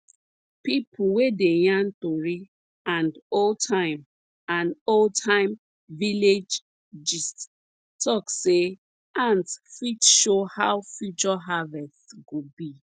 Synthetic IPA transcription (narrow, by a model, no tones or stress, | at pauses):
pipʰuwedejãntoɹi | ãndoltʰãɪ̃m | ãnoltʰãɪ̃m | viled͡ʒ | d͡ʒis | tʰɔkse | ãntfitʃohawfjut͡ʃɔɦavɛstɡobi